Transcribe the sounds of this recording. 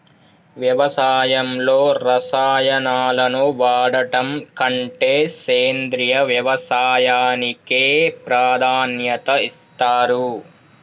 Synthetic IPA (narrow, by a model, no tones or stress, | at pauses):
ʋjɐʋɐsaːjɐmlo̞ːɾɐsaːjɐnaːlɐnuʋaːɽɐʈɐmkɐɳʈeːseːnd̪ɾijɐʋjɐʋɐsaːjaːnikeːpɾaːd̪ʱaːnjɐt̪ɐist̪aːɾu